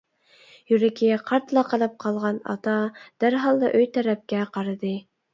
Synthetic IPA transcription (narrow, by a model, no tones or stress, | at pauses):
jyɾɛkʲʰɪqʰɑɾt̪lˠɑqɑlˠɨp̚qʰɑlˠʁɑnɑ̰t̪ɑd̪̥æɾɦɑlˠd̪ɑʔøjt̪ʰɛɾɛp̚kʲɛqʰɑɾɨd̪ɨ